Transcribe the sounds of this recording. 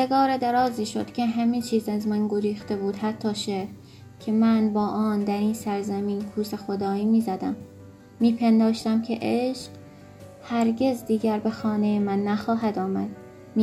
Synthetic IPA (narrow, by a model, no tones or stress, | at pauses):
eɡɒːɾed̪æɾɒːziːʃo̞̰d̪̥cʰʲeɦæmit͡ʃʰiːzæzmænɡoɾiːxt̪e̞buːd̪hæt̪ʰːɒːʃeɾ | cʲʰemænbɒːʔɒːnd̪æɾiːnsæɾzæmiːnkʰuːsexod̪ɒːiːmiːzæd̪æmː | iːpʰend̪ɒːʃt̪æmcʰeʔeʃq | hæɾɟe̞zd̪iːɡæɾbe̞xɒːnejemænːæxɒːɦæd̪ɒːmæd̪